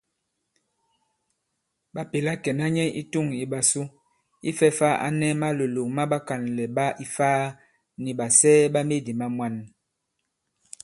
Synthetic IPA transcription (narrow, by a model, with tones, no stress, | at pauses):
ba˨pe˨la˦kɛ˨na˦ɲɛ˦ʔḭ˦tu˦˨ŋi˨ɓa˨su˦ | ḭ˦fɛ˦fa˦ʔa̰˦nɛ˦ma˦lo˨lo˨ŋma˦ɓa˦ka˨nlɛ˨ba˦ʔi˦faː˦ | ni˨ba˨sɛː˦ba˦me˦˨di˨ma˦mwa˦n